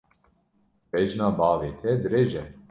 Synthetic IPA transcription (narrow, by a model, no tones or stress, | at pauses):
pɛd͡ʒnaːbɑːveːt̪ʰɛd̪ɾeːd͡ʒɛ